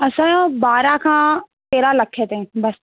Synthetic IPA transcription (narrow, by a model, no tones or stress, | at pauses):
ɐsãbaːɾakʰãː | t̪eːɾalɐkʰet̪eɦɛ̃bɐs